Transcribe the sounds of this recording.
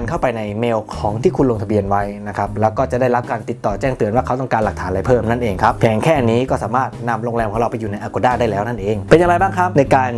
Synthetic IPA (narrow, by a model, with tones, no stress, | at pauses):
nkʰa˥˩wpa˧jna˧jmeː˧wkʰɔː˩˦ŋt̪ʰiː˥˩kʰu˧nlo˧ŋt̪ʰa˧bi˧ənwa˦˥jna˦˥kʰa˦˥p̚lɛː˦˥wkɔː˥˩t͡ɕa˨˩ʔda˥˩jɾa˦˥p̚kaː˧nt̪i˨˩t̪ːɔː˨˩t͡ɕɛː˥˩ŋt̪ɯ˧ənwaː˥˩kʰa˦˥wt̪ɔ˥˩ŋkaː˧nla˨˩k̚t̪ʰaː˩˦la˧jpʰɤː˥˩mna˥˩nʔeː˧ŋkʰa˦˥p̚pʰɛː˩˦ŋkʰɛː˥˩˧niː˦˥kɔː˥˩saː˩˦maː˥˩t̪̚na˧mɾoː˧ŋlɛː˧mʰɔː˨˩˦ɾa˧pa˧jːuː˨˩na˧jʔaː˧ko˧˩daː˥˩daː˥˩jlɛː˦˥wna˥˩nʔeː˧ŋpe˧nja˧ŋɾa˧jbaː˥˩ŋkʰɾa˦˥p̚na˧jkaː˧n